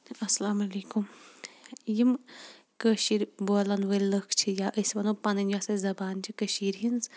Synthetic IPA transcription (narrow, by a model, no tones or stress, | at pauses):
ɐsɐlaːmɐleːkum | jim | kəːʃiɾboːlɐnʋɐlləkʰt͡ʃʰijaʔəsʋɐnoːpɐnɨnd͡ʒasezɐbaːnt͡ʃʰikəʃiːɾɦinz